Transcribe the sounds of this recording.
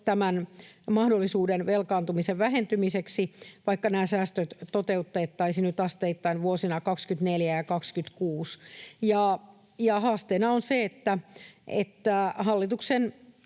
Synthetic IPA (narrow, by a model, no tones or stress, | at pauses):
t̪æmænmɑhdolːisuːdenʋelkɑːnt̪umiseʋʋæɦent̪ymiseksiʋɑikːɑnæːsæːst̪øt̪t̪ot̪eut̪ːeːt̪ːɑisinyt̪ɑst̪eit̪ːɑinʋuosinɑkɑkskyt̪neljæjɑkɑkskyt̪kuːsjɑ | jɑhɑːst̪eːnɑonseet̪ːæʔḛt̪ːæhɑlːit̪uksen